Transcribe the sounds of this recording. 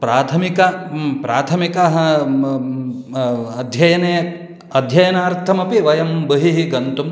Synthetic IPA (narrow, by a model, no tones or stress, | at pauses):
pɾaːt̪ʰɐmikɐpɾaːt̪ʰɐmikɐɦɐ | ɐd̪ʱjɐjɐne | ɐd̪ʱjɐjɐnaːɾt̪ʰɐmɐpiʋɐjɐmbɐɦiɦiɡɐnt̪um